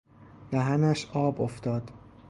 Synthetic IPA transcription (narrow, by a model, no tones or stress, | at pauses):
d̪̥æɦænæʃʔɒːboft̪ɒːd̪̥